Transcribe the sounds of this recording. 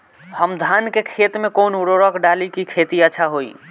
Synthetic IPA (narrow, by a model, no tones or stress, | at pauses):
həmd̪ʱankekʰet̪mekonuɾoɾəkɖalikikʰet̪iətːʃʰaɦoḭ